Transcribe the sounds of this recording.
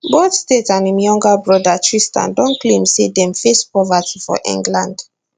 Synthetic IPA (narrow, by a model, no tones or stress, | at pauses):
boθstetãnimjɔ̃ŋɡabɹɔdatʰɹistã̰ndɔ̃nklẽmsedɛ̃mfespɹɔvatʰifɔ̰ʔḭ̃ŋɡlãnd̥